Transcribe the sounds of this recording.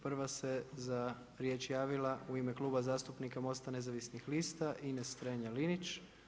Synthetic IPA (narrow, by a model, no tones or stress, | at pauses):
pr̩ʋase̞za | ɾje̞ːt͡ʃjaːʋilˠauimeklˠuːbazaːst̪upnikamo̞st̪ane̞zaʋisnixlist̪aʔinest̪ɾeɲalinit͡ʃ